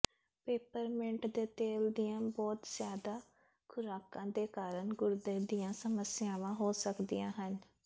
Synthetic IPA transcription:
peːpəɾmɪɳʈd̪eːt̪eːld̪ijãːbɔːt̪zjaːd̪aː | kʰʊɾaːkãːd̪eːkaːɾəɳɡʊɾd̪eːd̪ijãːsəməsɪjaːʋãːɦoːsəkd̪ijã̰ːɦən

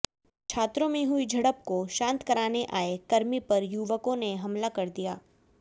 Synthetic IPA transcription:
t͡ʃʰaːt̪ɾõmẽɦʊid͡ʒʱɐɽəp̚koʃãːnt̪kɐɾaːneʔaːekɐɾmipɐɾjuʋəkõneɦɐmlakɐɾd̪ijaː

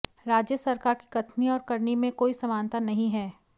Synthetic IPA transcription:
ɾaːd͡ʒjəsɐɾkaːɾki̥kɐt̪ʰniɔːɾkɐɾnimẽkoːisɐmaːnt̪anɐɦĩɦɛː

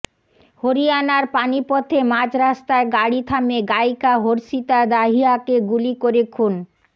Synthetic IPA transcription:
hoɾianaɾpanipɔt̪ʰemãd͡ʑɾast̪aeɡaɽit̪ʰameɡajkaɦoɾsit̪ad̪aɦiakeɡulikoɾekʰun

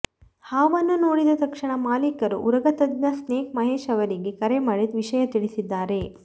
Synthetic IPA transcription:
haːʋɐnːunoːɽid̪ɐt̪ɐkʂiɳɐmaːlikɐɾuʔuɾɐɡɐt̪ɐd̪nɐsneːkmɐɦeːʃɐʋɐɾiɡekɐɾemɐːɭid̪ʋiʂɐjɐt̪iɭisid̪ːaːɾe̞

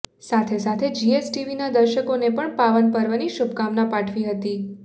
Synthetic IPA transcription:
sat̪ʰesat̪ʰed͡ʒiesʈiʋinad̪əɾʃəkonepəɳpaʋənpəɾʋaniʃub̚kamnapaʈʰʋiɦət̪i

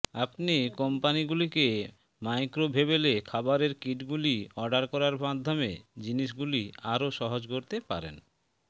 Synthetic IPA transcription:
apnikɔmpaniɡulike | majkɾobʱeβelekʰabaɾeɾkiʈɡuliɔɖaɾkɔɾaɾbad̪ʱːomḛd͡ʑiniʃ̬ɡuliaɾoʃɔɦod͡ʑkoɾt̪epa̰ɾḛn

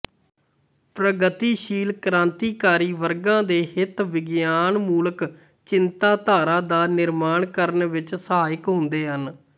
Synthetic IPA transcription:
pɾəɡət̪iːʃiːlkəɾãːnt̪iːkaːɾiːʋəɾɡãːd̪eːɦɪt̪ʋɪɡjaːnmuːlək | t͡ʃɪnt̪aːt̪aːɾaːd̪aːnɪɾmaːɳkəɾənʋɪt͡ʃsəaːɪkɦʊ̃nd̪eːɦən

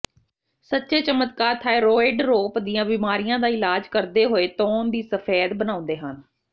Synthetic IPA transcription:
sətːʃeːt͡ʃəmət̪kaːɾt̪ʰaːeɾoːɪɖɾoːpd̪ɪjãːbiːmaːɾijãːd̪aːɪlaːd͡ʒkəɾd̪eːɦoːeːt̪ɔːnd̪iːsəpʰeːd̪bənaːʊ̃nd̪eːɦən

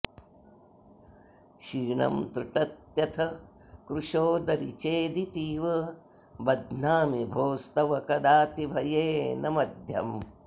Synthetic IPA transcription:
ʃiːɳɐ̰mt̪ɾuʈɐt̪jɐt̪ʰɐ | kɾuʂoːd̪ɐɾit͡ʃeːd̪it̪iːʋɐ | bɐd̪naːmibʱoːst̪ɐʋɐkɐd̪aːt̪ibʱɐjeːnɐmɐd̪ʱjɐ̰m

